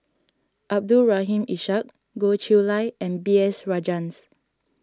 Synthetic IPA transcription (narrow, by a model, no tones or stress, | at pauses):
ʔab̚dulɹaɦĩmiʃak̚ | ɡot͡ʃilaɪɛ̃nbiɛsɹad͡ʒãns